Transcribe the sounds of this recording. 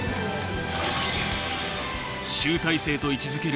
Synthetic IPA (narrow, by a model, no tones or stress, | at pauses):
ɕɨːt̪aise̞ːt̪o̞it͡ɕizɨke̞ɾ